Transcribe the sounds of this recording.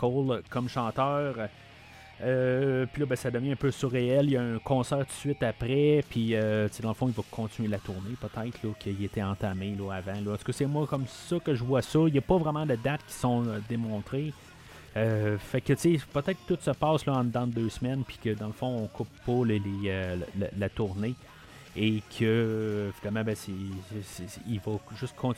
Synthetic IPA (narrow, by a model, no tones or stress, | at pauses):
kɔlkɔmʃɑ̃ːt̪œːʁ | øpilɔbɛ̃sad̪əvjɛ̃ɛ̃ːpøsuʁeɛljaɛ̃kʰɔ̃sɛːʁt̪u̥sɥɪt̪apʁɛpʰiøt͡sed̪ɑ̃ləfɔ̃ilvʌkʰɔ̃t̪inɥelat̪uʁnepət̪ɛɪt̪χlɔkʰəilet̪ʰɛɑ̃t̪amelɔavãlɔɑ̃t̪u̥kɔsɛmwakɔmsʌkəʒəvwasɔijɐpɔvʁɛmãd̪əd̪at̪̚kʲi̥sɔ̃ød̪emɔ̃ːt̪ʁe | øfɛkːət͡sepət̪ɛɪt̪̚kət̪ʊt̪səpaːslɔɑ̃d̪ãd̪d̪øːsmɛnpi̥kʲəd̪ɑ̃ləfɔ̃ɔ̃kʰʊpːɔleleøl̰lat̪uʁne | ekʰəfid̪almãbɛ̃sɛsivɔʒʏst̪kʰɔ̃